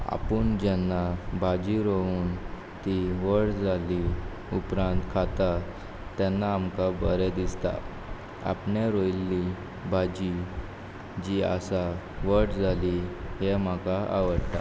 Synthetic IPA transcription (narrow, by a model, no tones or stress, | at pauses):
a̰puɳd͡ʑɛnːabʱad͡ʑiɾouːn | t̪iʋəɽd͡zali | upɾãnt̪kʰat̪a | t̪ɛnːaːmkabəɾɛd̪ist̪a̰ | a̰pɳjaɾojlːi | bad͡ʑi | d͡ʑia̰sa | ʋəɽd͡zʱaliɦem̤akaʔa̰ʋəɽt̪a